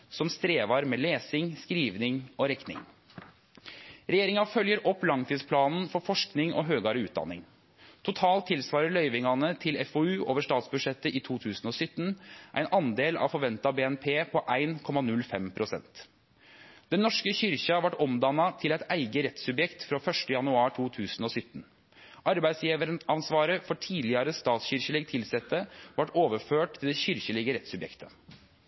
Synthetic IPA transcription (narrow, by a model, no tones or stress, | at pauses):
sɔmst̪ɾeːʋɑɾmɛːleːsɪŋskɾiːʋnɪŋoɾɛknɪ̰ŋ | ɾɛjeːɾɪŋɑfœljəɾʔɔpːlɑŋt̪ʰiːd̪spʰlɑːnn̩fɔɾfɔʂknɪŋʔɔ̰ɦøːɡɑɾəʉ̰ːt̪̚d̪ɑ̰nɪ̰ŋ | t̪ʰʊt̪ʰɑːlt̪ʰːɪlsʋɑːɾəɭœʏʋɪŋɑnət̪ʰɪlɛfoːʉːʔoːʋəʂʈɑːt̪sbʉdʂɛt̪ːəʔɪt̪ʰuːt̪ʰʉːsn̩ɔːsʏt̪ːn̩ʔæ̰ɪnʔɑnd̪eːlɑ̰ʋfɔɾʋɛnt̪ɑbeːɛnpʰeːpʰɔʔæɪnkʰɔmɑnʉlfɛmpʰɾʊsɛ̰nt̪ | d̪̥ɛnːɔʂkəɕʏɾçɑʋɑʈɔmd̪ɑnːɑt̪ʰɪlæɪt̪æɪɡəɾɛt̪sʉbjɛkt̪fɾoːfœʂʈəjɑnʉɑːʈʰuːt̪ʰʉːsn̩ɔːsʏt̪ːn | ʔɑɾbæɪd̪sjiːʋəɾənɑnsʋɑːɾəfɔʈʰiːd̪lɪəɾəst̪ɑːt̪sɕʏɾçəlɪɡt̪ʰɪlsɛt̪ːəʋɑʈoːʋəɾføːʈ̚t̪ʰɪld̪ɛçʏɾçəlɪɡəɾɛt̪sʉbjɛ̰kt̪ʰə̥